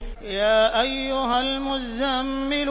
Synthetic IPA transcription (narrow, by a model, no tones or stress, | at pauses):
jaːʔajːʊɦalmʊzamːɪl